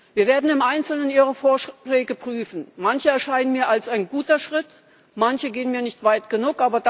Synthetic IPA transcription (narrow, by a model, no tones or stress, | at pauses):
viːɐveːɐdn̩ɪmʔaɪnt͡sl̩nəniːʁəfoːɐʃlɛːɡəpʁ̥yːfn̩mançəɛɐʃaɪnənmiːɐalsaɪnɡuːtɐʃʁ̥ɪt | mançəɡeːənmiːɐnɪçtv̥aɪtɡ̥ənuːkʔaːbɐd